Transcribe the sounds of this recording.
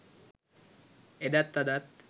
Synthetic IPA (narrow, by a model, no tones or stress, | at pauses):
ed̪at̪ːad̪at̪